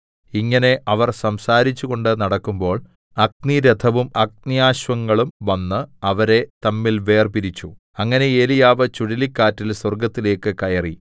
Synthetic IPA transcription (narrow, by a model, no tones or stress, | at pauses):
iŋːɐne̞ʔɐʋɐrsɐmsaːɾit͡ɕːuɣo̞ɳɖɨnɐɽɐkːumbo̞ːɭ | ɐɡ̚niɾed̪ʱʰɐʋumɐɡ̚nijaːɕʋɐŋːɐɭumʋɐnːɨɐʋɐɾe̞t̪ɐmːilʋe̞ːrpiɾit͡ɕːu | ɐŋːɐne̞eːlijaːʋɨt͡ɕuɽilikːaːtːilswɐrɡɐt̪ːile̞ːkːɨkɐjɐri